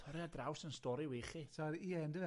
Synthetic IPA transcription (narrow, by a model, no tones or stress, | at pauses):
tʰɔɾjadrawsənstɔɾiwiχisaɾiɛndəvɛ